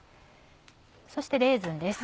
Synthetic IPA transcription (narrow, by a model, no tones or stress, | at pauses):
so̞ɕi̥t̪eɾe̞ːzɨ̃nd̪e̞sɨ̥